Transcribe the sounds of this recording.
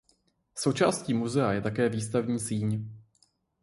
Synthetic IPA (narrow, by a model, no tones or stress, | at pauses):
so̞wt͡ʃa̰ːsciːmuzɛajɛt̪akɛːviːst̪avɲiːsiːɲ